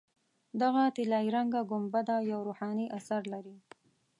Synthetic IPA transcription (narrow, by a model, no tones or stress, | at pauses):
d̪aɣat̪ɪlɑjɾaŋɡaɡʊmbad̪ajawɾohɑniʔasaɾlaɾi